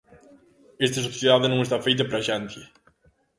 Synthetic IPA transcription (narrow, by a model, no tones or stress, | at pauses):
est̪esoβθjeðaðenõŋest̪afejt̪̬epɾaʃanθje